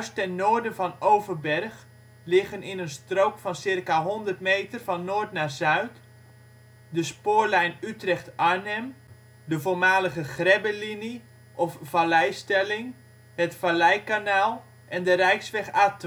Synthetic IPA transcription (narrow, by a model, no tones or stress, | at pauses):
jœɥstɛnːoːɹdənvɔnowvərbɛrχ | lɪɣənɪnənstrowkfɔnsɪrkaɦɔndərtmeːtərvɔnːoːrtnaːrzœɥt | dəspoːɹlɛjnytrɛxtanɛm | dəvoːmaːləɣəχrɛbəlini | ʔɔfvalɛjstɛlɪŋ | ɦətfalɛjkanaːlˠ | ʔɛndərɛjksʋɛxaːtə